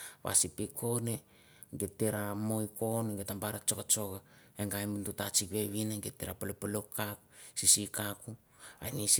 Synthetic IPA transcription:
βa̰sipikʰo̞ne | ŋɡetːeɾamojko̞neŋɡetambaɾat͡ʃokat͡ʃo̞ɡa | eŋɡajmuntutat͡ʃikβe̞βinaŋɡetːeɾapalopalokːakusisikaku | a̰jnis

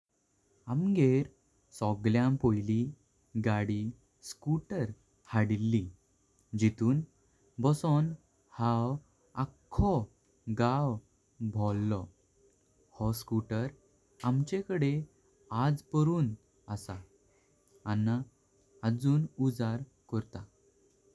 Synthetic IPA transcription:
amɡeɾ | sɔɡljãmpojli | ɡaɽi | skuʈəɾ | haɽilːi | d͡ʑit̪uːn | bɔsɔn | haw | akʰːɔ | ɡaw | bʱɔlːɔ | hɔskuʈəɾ | amt͡ɕekəɽe | ad͡zpəɾuːn | əsa | anːa | ad͡zuːnud͡zaɾ | kɔɾt̪a

